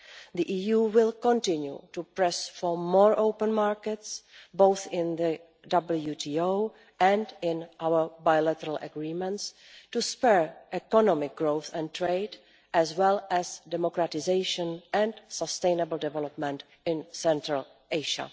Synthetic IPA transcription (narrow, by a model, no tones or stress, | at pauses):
ðiʔiːjuːwɪlˠkɔ̃ntɪ̃njṵtupɹɛsfɔɹmɔːɹʔoʊpə̃nmaɹkɛtsboʊθɪ̃nðə | dʌbl̩juːtʰiːoʊ | ɛ̃ndɪ̃nʔawə˞bajlɛtəɾalʔə̰ɡɹiːmɛ̃nts | tuspɛɹʔɛkɔnɔmɪk̚ɡɹoθɛ̃ntɹeɪd | ɛzwɛlɛsdɛmokɾatɪzeɪʃə̃nɛ̃ntsəstẽɪnəbəl̩dɛvɛlɔpmɛ̃nt | ɪ̃nsɛ̃ntɾal | ʔeɪʃa̰